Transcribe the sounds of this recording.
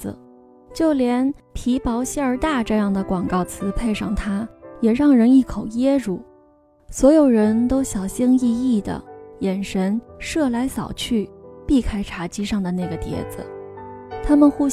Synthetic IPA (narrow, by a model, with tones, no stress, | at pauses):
t͡ɕjo˥˩ʊljɛ˧˥np̪ʰi˧˥pɑ˧˥ʊɕi˥ə˞˧˥t̪a˥˧ʈ͡ʂɤ˥˧jɑ˥˩ŋd̪ə˩kwɑ˨˩ŋkɑ˥˩ʊt͡sʰɹ̩˧˥pʰe˥˧ɪʂɑ˥˩ŋt̪ʰa˥jɛ˨˩ɻɑ˥˩ŋɻə˧˥ni˥˩kʰo˨˩ʊjɛ˥ɻu˥˩ | swɔ˧˥jo˨˩ʊɻə˧˥nt̪o˥ʊɕjɑ˨˩ʊɕi˥ŋi˥˧i˥˩d̪ə̰˩jɛ˨˩nʂə˧˥nʂɤ˥˩la˧˥ɪsɑ̰˨˩ʊt͡ɕʰy˥˩pi˥˩kʰa˥ɪʈ͡ʂʰa˧˥t͡ɕi˥ʂɑ˥˩ŋd̪ə˩na˥˩ɡə˩t̪jɛ̰˧˥d͡z̩̰˧ | t̪ʰa˥mə˨nxu˥